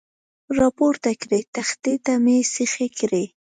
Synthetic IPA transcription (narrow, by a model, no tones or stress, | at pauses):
ɾɑpoɾt̪akɾet̪axt̪ed̪amesɪxekɾe